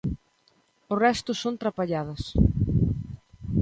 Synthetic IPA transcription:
ʊrɛst̪ʊsont̪ɾapaʎaðɐs

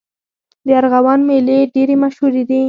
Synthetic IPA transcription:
d̪əaɾɣawɑnmeleɖeɾemaʃhuɾed̪i

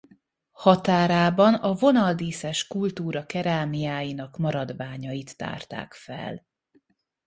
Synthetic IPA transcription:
hɒt̪aːɾaːbɒnɒvo̞nɒld̪iːsɛʃkult̪uːɾɒkɛɾaːmijaːjinɒkmɒɾɒd̪vaːɲɒjit̪ːa̰ːrt̪a̰ːkfɛ̰l

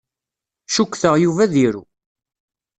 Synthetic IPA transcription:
ʃukʷːθəʁjuvæðiɾṵ

